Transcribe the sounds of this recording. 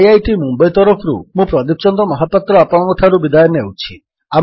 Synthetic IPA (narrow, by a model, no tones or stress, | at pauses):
jajʈimumbajt̪ɔɾɔpʰɾṵmũpɾɔd̪ip̚t͡ʃɔnd̪ɔmɔɦapːat̪ɾɔapɔɽ̃ɔŋɡɔʈʰaɾubid̪ajɔnewt͡ʃʰi | a